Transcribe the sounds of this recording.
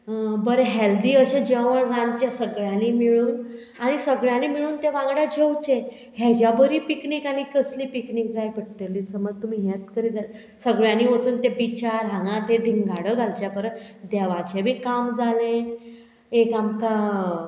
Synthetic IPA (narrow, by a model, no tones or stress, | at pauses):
bəɾeɦeld̪iːəɕed͡ʑeʋəɳɾãnt͡ɕjasəɡɭjãnimiɭuːn | aɽ̃isəɡɭjanimiɭuːnt̪eʋãŋɡɽjad͡ʑʱewt͡ɕe | ɦɛd͡ʑjabəɾiːpikniːkanikəsliːpiknik̚d͡zajkəʈt̪elːisəməd͡zt̪um̤iːɦet̪kəɾiːd͡z̪al | səɡɭjãniːʋot͡suːnt̪ebit͡ɕaɾɦanat̪ed̪ʱiŋɡʱaɽəɡʱalt͡ɕjapəɾə | d̪ɛʋat͡ɕebʱiːkamd͡zalen | ekamka